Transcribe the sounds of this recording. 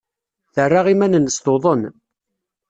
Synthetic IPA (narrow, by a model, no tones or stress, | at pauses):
θərːaʁimænənːəst̪oðˤən